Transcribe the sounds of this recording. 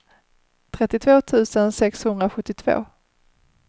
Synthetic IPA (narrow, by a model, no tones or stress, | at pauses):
t̪ʰɾɛt̪ːɪt̪ʰvoːt̪ʰʉ̟ːsənsɛkshɵnd̪ɾaɧɵt̪ːɪt̪ʰv̥o̰ː